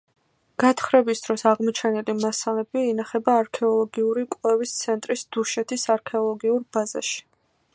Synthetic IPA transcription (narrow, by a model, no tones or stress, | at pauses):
ɡ̥at̪ʰχɾɛbisd̪̥ɾɔsaʁmɔt͡ʃʰɛnilimasalɛbiːnaχɛbaːɾkʰɛɔlˠɔɡiuɾikʼvɛvist̪sʰɛnt̪ʼɾisd̪uʃɛt̪ʰisaɾkʰɛɔlˠɔɡiuɾbaza̰ʃi̥